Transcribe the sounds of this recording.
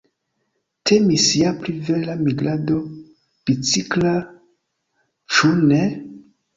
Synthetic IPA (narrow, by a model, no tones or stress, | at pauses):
tʰe̞misjaplive̞lamiɡlado | b̥it͡sikla | t͡ʃune